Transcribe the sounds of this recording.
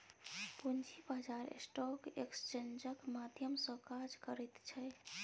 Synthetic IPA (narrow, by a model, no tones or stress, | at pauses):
pund͡ʒʱibad͡ʒaɾḛsʈɔkekst͡ʃend͡ʒəkmad̪ʱjəmsə̃kad͡ʒkəɾɛt̪t͡ʃʰɛ